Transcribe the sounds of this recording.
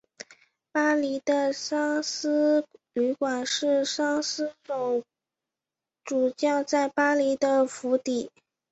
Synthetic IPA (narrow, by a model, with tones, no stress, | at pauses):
pa˥li˧˥d̪ə˧ʂɑ˥ŋsɹ̩˥ly˧˥kwa˨˩nʂɻ̩˥˧ʂɑ˥ŋsɹ̩˥ʈ͡ʂo˨˩ʊ | ʈ͡ʂu˨˩t͡ɕjɑ˥˧ʊt͡sa˥˩ɪpa˥li˧˥d̪ə˧fu˧˥t̪i˨˩˦